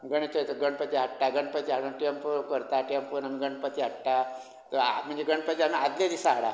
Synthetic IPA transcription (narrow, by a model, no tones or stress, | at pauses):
ɡəɽ̃et͡ʃət̪oɡəɳpət̪iɦaʈːaɡəɳɖpət͡ʃiɦaɽõʈiəmpkəɾt̪aʈiəmpunamĩɡəɳɖpət̪iɦaʈːa | t̪om̤ənd͡ʒeɡəɳɖpət͡ʃiamiad̪led̪isaɽa̰